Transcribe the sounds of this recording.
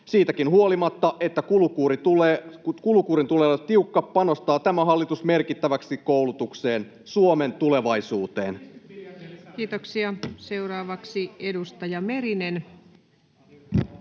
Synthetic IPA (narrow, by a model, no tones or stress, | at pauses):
siːt̪ækinɦuo̞limɑt̪ːɑʔe̞t̪ːækulukuːɾit̪ulekulukuːɾint̪uleːlt̪iukːɑpːɑno̞st̪ɑːt̪æmæɦɑlːit̪usme̞rkit̪ːæʋæksikko̞wlut̪ukse̞ːn | suome̞nt̪ule̞ʋɑisuːt̪e̞̰ːn | k̟iːt̪oksiɑse̞wɾɑːʋɑksiedust̪ɑjɑme̞ɾinen